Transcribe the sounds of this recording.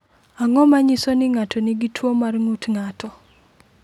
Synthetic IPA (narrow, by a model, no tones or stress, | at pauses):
aŋɔmaɲisɔnɪŋatʰɔniɡitʰwomarŋutŋatɔ